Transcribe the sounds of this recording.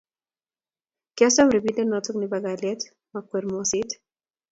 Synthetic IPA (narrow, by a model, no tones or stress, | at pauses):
kasɔmɾibidɛnɔtɔknibaɡalɛt | makweɾmɔsɪt